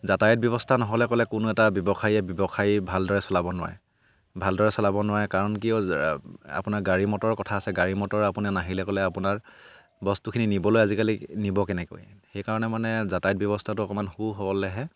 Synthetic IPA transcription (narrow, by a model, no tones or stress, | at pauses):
zatajɔt̚bjɔβɔstʰanɔɦɔlɛkɔlɛkʊnʊɛtabjɔbɔxʰajɛbjɔbɔxʰajbʱaldɔɹɛsɔlabɔnʊwa̰ɹɛ | bʱaldɔɹɛsɔlabɔnʊwaɹɛkaɹɔnkiɔ | a̰pʊnaɹɡaɹimɔtɔɹkɔtʰaːsɛɡaɹimɔtɔɹapunɛnaɦilɛkɔlɛapʊnaɹ | bɔstukʰininibɔlojazikalinibɔkɛnɛko̰jxɛjkaɹɔnɛmanɛzatajɔt̚bjɔβɔstʰatʊɔkɔmanhuɦɔbɔlɛɦɛ